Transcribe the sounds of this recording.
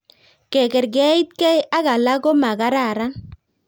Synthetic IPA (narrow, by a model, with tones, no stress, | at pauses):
kɛ˨kɛ˨ɾɡɛ˦i˦t̪̚kɛ˦ja˦ɣa˨la˦ɡo˦ma˨ɡa˦ɾa˦˨ɾa˦n